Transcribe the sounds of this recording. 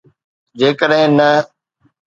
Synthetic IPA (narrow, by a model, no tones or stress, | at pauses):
d͡ʑeːkəɗɦɪ̃nə